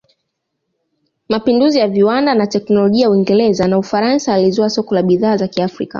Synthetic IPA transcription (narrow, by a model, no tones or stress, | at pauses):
mapinduzijaviwandanatɛknɔlɔʄiauiŋɡɛɾɛzanaufaɾansaːlizɔasɔkɔlaɓiðaːzakiafɾḭka̰